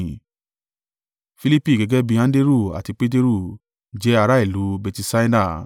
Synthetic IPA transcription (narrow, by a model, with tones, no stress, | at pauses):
fi˧li˦pi˦˨ɡɛ˨˧ɡɛ˦bi˧ã˦de˦ɾu˦˨a̰˨ti˧k͡pe˦t̬e˦ɾu˦˨ | d͡ʒɛ˦a˧ɾa˦i˦˨lu˨˦bɛ˧ti˧sa˦i˦da˦˨